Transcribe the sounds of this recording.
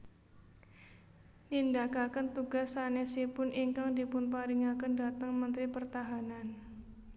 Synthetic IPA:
nindakakənt̪uɡasanesipʊnʔiŋkaŋdipʊnpaɾiŋakəndat̪əŋmənt̪ɾipərt̪aɦanan

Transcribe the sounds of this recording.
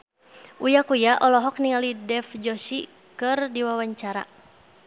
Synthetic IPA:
ʔujakujaʔɔlɔɦɔk̚niŋalidɛfd͡ʒɔsi | kɨrdiwawaɲt͡ʃaɾa̰

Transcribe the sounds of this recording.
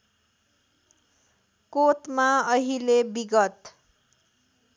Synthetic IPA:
kot̪maʌɦilebiɡʌt̪

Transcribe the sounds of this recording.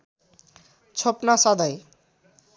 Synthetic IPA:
t͡sʰopnasʌd̪ʌj

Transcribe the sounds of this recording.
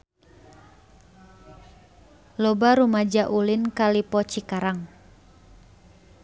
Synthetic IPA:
lɔbaɾumad͡ʒaʔulinkalipɔt͡ʃikaɾaŋ

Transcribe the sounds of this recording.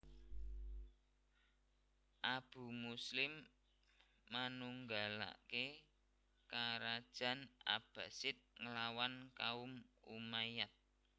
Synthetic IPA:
ʔab̥ṳmuslɪm | anuŋɡala̰ke | kaɾad̥ʒ̥a̤na̰b̥ä̤sɪt̪̚ŋəlawankaʊmṵmajat̪̚

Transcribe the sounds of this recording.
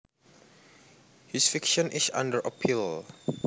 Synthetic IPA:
hisfikʃɔ̃nʔisã̰ndəɹʔə̰pʰil

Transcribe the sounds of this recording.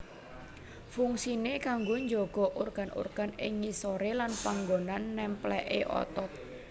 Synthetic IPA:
fuŋsinekaŋɡoɲd͡ʒoɡ̥ɔ̤ʔurɡ̥a̤nṵrɡ̥a̤nɪ̰ŋːisoɾelanpaŋɡonanːɛmplɛʔeʔɔ̰t̪ɔk̚

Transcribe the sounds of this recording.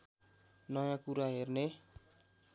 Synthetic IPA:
nɔjãkuɾaɦerne

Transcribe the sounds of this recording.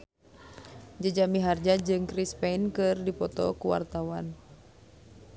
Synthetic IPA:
d͡ʒəd͡ʒamiɦard͡ʒad͡ʒɨŋkɾispɛnkɨrdipɔt̪ɔ̰kuwa̰rt̪awan

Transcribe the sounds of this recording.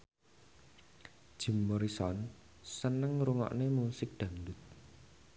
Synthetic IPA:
d̥ʒ̥i̤mːɔɾisɔn | sənəŋɾuŋɔ̰ʔnemusɪk̚d̪̥ä̤ndʊt̪̚

